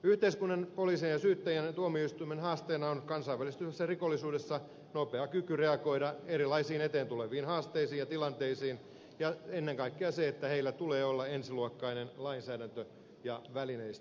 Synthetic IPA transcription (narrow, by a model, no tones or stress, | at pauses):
yht̪eiskunːɑnpoliːsienjɑsyːt̪ːæjænet̪uomioist̪uimenhɑːst̪eːnɑonkɑnsɑiʋælist̪ysesːɑrikolːisuːdesːɑ | nopeɑkykyreɑko̞idɑeɾilɑisiːnet̪eːnt̪uleʋiːnhɑːst̪eisiːjɑt̪ilɑnt̪eisiːn | jɑenːeŋkɑikːeɑseet̪ːæheilːæt̪uleːolːɑensiluokːɑinenlɑinsæːdænt̪ø | jɑʋælineist̪æ̥